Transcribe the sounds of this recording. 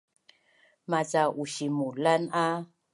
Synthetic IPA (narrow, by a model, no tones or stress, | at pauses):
mazaʔuʃimulana